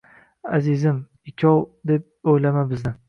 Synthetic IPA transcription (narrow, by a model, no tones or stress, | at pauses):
azɪzɪm | ɪkʲʰɒwd̪ep̚ojlamabɪznɪ